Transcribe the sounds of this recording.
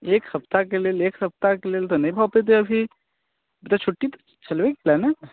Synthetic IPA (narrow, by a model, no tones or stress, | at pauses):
ekhəpt̪akelelekhəp̚t̪akelelt̪ɔnəĩbʱapet̪̬eəbʱi | bit̪at͡ʃʰoʈːit̪ | t͡ʃəlʋekplɛne